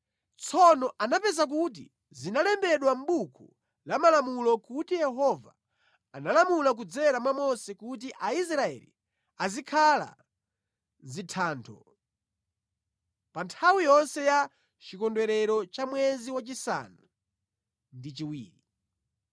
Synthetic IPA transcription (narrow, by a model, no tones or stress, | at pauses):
t͡sʰɔnɔʔanapɛzak̬ut̬ḭ | zinalɛmbɛɗwam̩ɓukʰu | lamalamulɔkutijɛɦɔva | analamulak̬ud͡zɛɾamwamɔsɛkut̬iʔais̬ɾaɛ̰lḭ | azikʰala̰ | zitʰaːntʰɔ̰ | pantʰawijɔnsɛja | t͡ʃikɔndwɛɾɛɾɔt͡ʃamwɛziwat͡ʃisa̰na | ndit͡ʃiwḭːɾi